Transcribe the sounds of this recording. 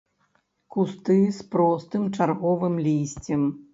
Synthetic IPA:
kust̪ɨspɾɔst̪ɨmt͡ʂarɣɔvɨmlʲisʲt͡sʲɛm

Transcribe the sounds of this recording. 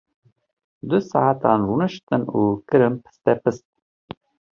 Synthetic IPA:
d̪ʊsɑ̰ʕat̪ɑnɾuːnɨʃt̪ɨnukɨɾɨmpʰɨ̥st̪ɛpɨst̪̚

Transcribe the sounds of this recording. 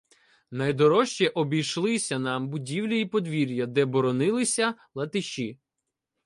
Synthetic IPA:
nɐjd̪ɔɾɔʃt͡ʃɛʔɔbʲijʃlˠɪsʲɐnɑmbʊdʲiwlʲɐipɔd̪ʋʲiɾʲjɐd̪ɛbɔɾɔnɪlˠɪsʲɐlˠɐt̪ɪʃi

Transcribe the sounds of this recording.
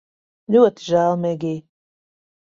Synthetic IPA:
lʲuɔt̪iʒælˠmʲɛɡʲiːj

